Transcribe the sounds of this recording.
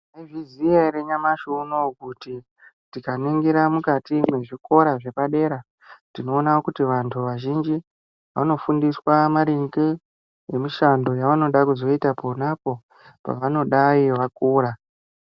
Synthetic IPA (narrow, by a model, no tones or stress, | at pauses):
eviziaɾeɲamaʃunokuti | tikaniŋɡiɾamukatimwe̞ʐiko̞ɾaʐe̞paɗe̞ːɾa | tino̞ːnawokutiʋantʰuʋaʒind͡ʒi | ʋa̰no̞fundiswamaɾiŋɡe | emiʃando̞jaʋano̞ɗakuzo̞itaponapo̞ | pa̰ʋano̞ɗaiʋak̚uːɾa